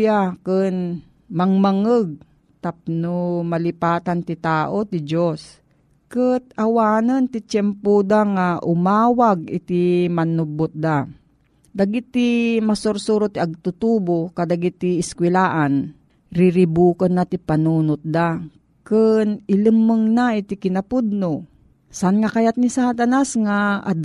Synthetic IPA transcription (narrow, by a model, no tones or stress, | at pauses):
jakɨn | mɐŋmaŋəɡ̚ | t̪ap̚nomɐlɪpaːt̪ant̪ɪt̪aːʔot̪ɪd͡ʒos | kət̪̚ɐwaːnənt̪ɪt͡ʃɛmpod̪aŋaʔʊmaːwaɡ̚ɪ̰t̪imɐnubʊt̪̚d̪a | d̪aɡit̪ːimasoɾsuɾot̪iɐɡ̚t̪ʊt̪uːbokad̪aɡit̪iːskwɪlaːʔan | ɾɪɾɪbuːkɐnːat̪ipanuːnʊt̪̚d̪a | kɨnɪləmːəŋnaɪt̪ikɪnapud̪̚no | saʔanŋakajat̪̚nisaːt̪anasŋaʔad̪